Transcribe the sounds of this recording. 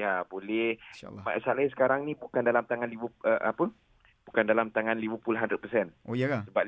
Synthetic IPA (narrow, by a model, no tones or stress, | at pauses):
jabolɛhma̰salaisə̥kaɾaŋnĩbukandalamt̪aŋanlibəəʔapə | b̥ukandalamt̪aŋanlibəpulaɦandɾət̪̚pəsɛnojakasəba